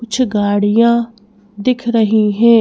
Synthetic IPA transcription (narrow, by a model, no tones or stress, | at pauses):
ʊt͡ʃʰɡaːɽijãː | d̪ɪkʰɾəɦiɦɛ̃ː